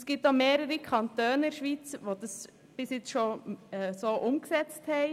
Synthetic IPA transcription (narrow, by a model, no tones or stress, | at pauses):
sɡ̥iːp̚t̚d̥̪ɑːmeːɾəɾəkʰɑnt̪øːnəɪɾʃʋiːt͡sʋod̥̪əs | b̥ɪsjɪt͡sʃoɛsoːʔʊmksɛt͡sthɛɪ